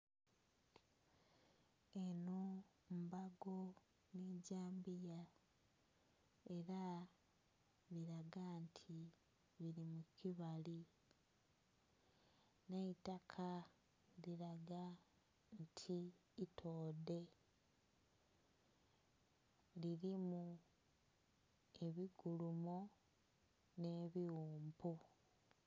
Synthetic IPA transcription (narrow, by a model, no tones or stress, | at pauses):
eno | mbaɡo | niɟaːmbija | e̞ɾa | βiɾaɡantʰi | βiɾimukiβali | neitakʰa | liɾaɡa | ntʰiːtʰoːde̞ | liɾimu | e̞βiɡulumo | ne̞ːβiuːmpʰu